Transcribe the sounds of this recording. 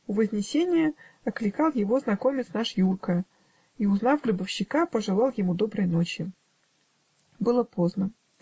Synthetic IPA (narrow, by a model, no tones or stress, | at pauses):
ʊvəzʲnʲɪsʲenʲɪjəɐklʲɪkɑlˠjɪvo̞znɐko̞mʲɪt̪snaʂjurkə | iʊznɑfɡɾɨbəfɕːɪkapəʐɨlˠɑlˠjɪmud̪o̞bɾəjno̞t͡ɕɪ | bɨlˠəpoznə